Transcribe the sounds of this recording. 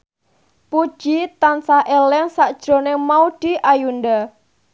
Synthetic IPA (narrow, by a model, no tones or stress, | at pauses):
pud̥ʒ̥it̪ansahʔelɪŋsaʔd̥ʒ̥ɾo̤nemauɖ̥i̤ʔajunda